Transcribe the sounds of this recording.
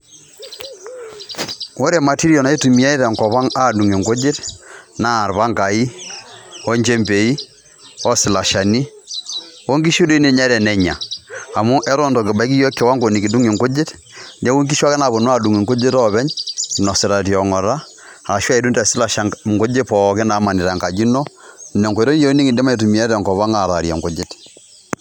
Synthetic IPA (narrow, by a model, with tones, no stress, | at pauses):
wo˦ɾɛ˨ma˨ti˦ɾiɔ˨na˨i˦tu˨mi˦a˦i˦ðɛ˨ŋkɔ˨βa˦ŋa˦˨du˨ŋe˨ŋɡo˦d͡ʒe˦tnaː˦˨ɾba˦ŋɡa˨i˦ | ɔ˦ɲd͡ʒe˦mbe˨i˦ | ɔ˦sɪ˨la˨ʃa˨ni˦ | ɔ˦ŋɡi˦ʃu˦do˦i˦ne˦˨ɲa˦ɾɛ˨nɛ˨ɲa̰ː˨mu˦ʔɛ˦ɾɔ˦ndɔ˨kɪ˨ba˨i˦ki˦jɔ˦kːɛ˨˦wa˦ŋɡo˨ni˨ki˨du˦ŋi˨ŋko˦d͡ʒe˦t | nɛ˦ku˦ŋki˦ʃa˦kɛ˦na˨bo˨nwa˦du˨ŋi˨ŋko˦d͡ʒe˦tɔ˦βɛ˦ɲnɔ˨sɪ˨ɾa˨ti˨ɔ˨ŋɔ˨ɾa˦ | a˨a˨ʃa˦i˨du˦ntɛ˨sɪ˦la˨ʃa˨ŋko˦d͡ʒe˦pɔ˨kɛ˦na˨˦ma˨ni˨ɾa˨ŋka˨d͡ʒi˦nɔ˦nɛ˨ŋko˨ɾɔ˦n˦jɔ˦ɾo˦ni˦ŋi˨dɛ˦ma˦i˨tu˨mi˨ɛ˦ɾɛ˨ŋkɔ˨βa˦ŋa˨ɾa˨ɾja̰˨ŋko˨˦d͡ʒɪ˦t